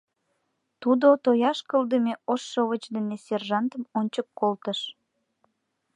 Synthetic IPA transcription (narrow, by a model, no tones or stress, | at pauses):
t̪ud̪ot̪ojɑʃkəld̪əmeoʃːoβət͡ɕd̪eneserʒɑnt̪əmonʲt͡ɕəkːolt̪əʃ